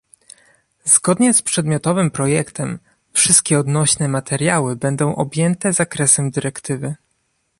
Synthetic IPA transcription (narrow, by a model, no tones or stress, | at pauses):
z̥ɡɔd̪ɲɛspʂɛd̪mʲjɔt̪ɔvɘmpɾɔjɛkt̪ɛm | fʂɘst̪̚kʲɛɔd̪nɔɕnɛmat̪ɛɾʲjawɘbɛnd̪ɔ̃w̃ʔɔbʲjɛnt̪ɛzakɾɛsɛmd̪ɘɾɛkt̪ɘvɘ